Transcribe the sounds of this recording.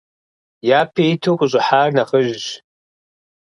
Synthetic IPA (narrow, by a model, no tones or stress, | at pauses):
japʰejtʰokʷʼʊɕʷʼʊħarnaχəʒʷʒ